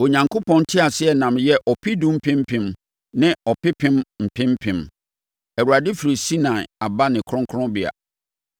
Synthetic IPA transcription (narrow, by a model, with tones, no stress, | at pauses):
o˨ɲã˨ŋkʰo˦pʰɔ̃˦n˦tʰɪ˦a˨sɪ˦ɛ˨nã˨mjɛ˦ʔɔ˨pʰɪ˦dũ˦m̩˦pʰɪ̃˦m̩˦pʰɪ̃˨m | nɪ̃˦ɔ˨pɪ˦pʰɪ̃˦mm̩˨pʰɪ̃˦m˦pʰɪ̃˨m | ɛ˨wu˨a˨dɪ˦fi˨ɾi˨si˦nã˨ɪ̰˨a˨ba˦nɪ̃˨kʰɾɔ̃˦ŋkʰɔ̃˦bɪ˦˨a̰˨